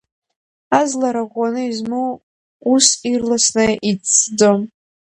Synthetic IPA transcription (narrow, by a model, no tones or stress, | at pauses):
azlaɾaʁʷanɨizmu | usirlasnɨʔit͡sʰːd͡zom